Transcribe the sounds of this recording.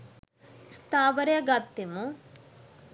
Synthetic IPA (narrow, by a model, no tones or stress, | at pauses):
st̪aːʋɐɾjɐɡaːt̪ːemu